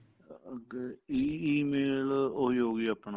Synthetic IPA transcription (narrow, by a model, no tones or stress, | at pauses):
iːiːmeːloiːɦoːɡiːaːpna